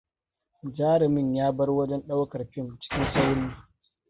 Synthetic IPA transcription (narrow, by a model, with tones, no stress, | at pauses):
d͡ʒaː˦ɾɪ˨mɪ˦˨ɲjaː˦bɐ˦rwɐ˦d͡ʒɛ˦nɗa˦wkɐ˨rɸɪ˦nt͡ʃɪ̥˦kʲɪ˦nsa˦wniː˦